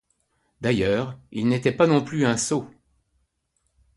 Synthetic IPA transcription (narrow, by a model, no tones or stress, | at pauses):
d̪ajœːʁilnet̪ɛpanɔ̃plyɛ̃so